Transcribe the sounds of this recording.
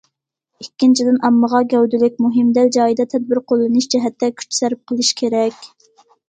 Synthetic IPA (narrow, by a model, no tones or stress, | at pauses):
ikʲːint͡ʃʰid̪ɪnʔɑmːəʁɑɡʲɛwd̪ɪlɪk̚ʲmuɦɪmd̪æld͡ʒɑːjid̪ɑt̪ʰɛd̪̚bɪɾqʰolˠːɨnɨʃd͡ʒɛɦɛt̪ːɛkʲʰy̥t͡ʃsɛɾɪp̚qʰəlˠɨʃkʲʰeɾɛkʲ